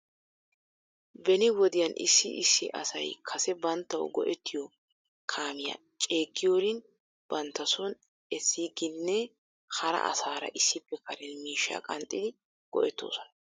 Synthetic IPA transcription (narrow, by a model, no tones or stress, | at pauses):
bɛnɪwɔd̪ɪjɐnʔɪ̰sːɪ̰ʔɪsːɪ̰ʔɐ̰sɐ̰jkʰɐsɛbɐnt̪ːɐw̰ɡɔ̰ʔɛt̪ːɪjɔ | kʰaːmɪjɐ̰ | t͡ʃʼe̞ːɡːɪjoːɾɪn | b̥ɐnt̪ːɐsɔn | ɛsːiːɡɪnːɛ | hɐɾɐ̰ʔɐ̰saːɾɐ̰ʔɪsːɪpːɛkɐɾɛnmiːʃːa̰ːkʼɐnt̪ʼːɪd̪ɪ | ɡ̥ɔ̰ʔɛt̪ːo̰ːsɔ̥n